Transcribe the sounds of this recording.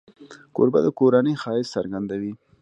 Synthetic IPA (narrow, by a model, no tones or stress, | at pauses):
ko̰ɾba̰d̪əkoɾanəjxɑɪssaɾɡand̪awi